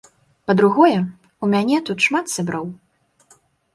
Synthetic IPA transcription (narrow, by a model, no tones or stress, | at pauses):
pɐd̪ɾuɣɔjɛ | umʲanʲɛt̪ut̪ʂmat̪sʲabɾaw